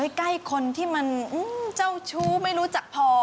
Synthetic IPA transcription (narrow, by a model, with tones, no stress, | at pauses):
jkla˥˩jkʰo˧nt̪ʰiː˥˩ma˧nʔɯː˧˩t͡ɕa˥˩wt͡ɕʰuː˧˥˩ma˥˩jɾuː˦˥t͡ɕa˨˩k̚pʰɔː˧